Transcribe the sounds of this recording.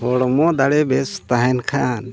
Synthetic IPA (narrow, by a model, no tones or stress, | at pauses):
ɦɔɽɔmɔd̪aɽɛbɛst̪aɦɛnkʰan